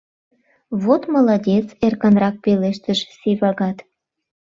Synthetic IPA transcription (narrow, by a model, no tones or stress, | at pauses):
βot̪məlɑdʲet͡serkənrɑk̚peleʃt̪əʒsiβɑɣɑt̪